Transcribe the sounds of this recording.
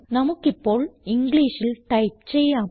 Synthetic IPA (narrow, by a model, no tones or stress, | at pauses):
nɐmɯkːɪpːoːɭɪŋɡɭiːʂɪlʈɐɪp̚t͡ʃɛjːaː